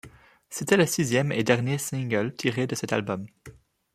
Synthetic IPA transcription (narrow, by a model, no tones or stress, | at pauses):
set̪ɛləsizjɛmḛd̪ɛʁnjesĩŋɡəlt̪ʰiʁed̪əsɛt̪a̰lbɔm